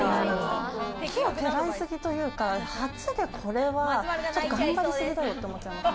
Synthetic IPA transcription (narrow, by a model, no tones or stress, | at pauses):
aokʰoːt̪ʰeɾaisɨɡʲit̪o̞jɯ̟ːkahat͡sɨd̪ekʰo̞ɾe̞βat͡ɕot̪ːoɡãmbaɾʲisɨɡʲid̪ajo̞t̪ːeomot̪ːeana